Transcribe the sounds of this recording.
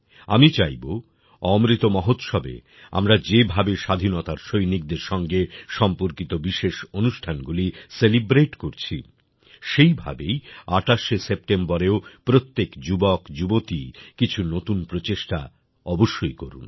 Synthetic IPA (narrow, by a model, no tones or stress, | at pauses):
amit͡ɕajbo | ɔmɾit̪omɔɦot̪ʃɔbḛ | a̰mɾad͡ʑebʱabeʃad̪ʱinot̪aɾʃojnik̚d̪eɾʃɔŋɡeʃɔmpoɾkit̪obiʃeʃonuʃʈʰanɡuliselibɾeʈkoɾt͡ɕʰḭ | ʃejbʱa̰bejaʈaʃesep̚ʈembɔɾeopɾot̪ːekd͡ʑubɔkd͡ʑubot̪ikit͡ɕʰunot̪unpɾot͡ɕeʃʈa | ɔboʃːojkoɾṵn